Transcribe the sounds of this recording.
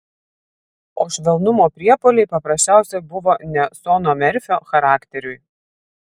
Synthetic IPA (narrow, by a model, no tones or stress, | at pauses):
oːʃʲʋʲɛlˠnʊmoːpʲɾʲiɛpoːlʲɛɪpɐpɾɐsʲt͡ʃʲæˑʊsʲɛbʊʋoːnʲɛsɔːnoːmʲɛɾʲfʲoːxɐɾɑːkt̪ʲɛɾʲʊɪ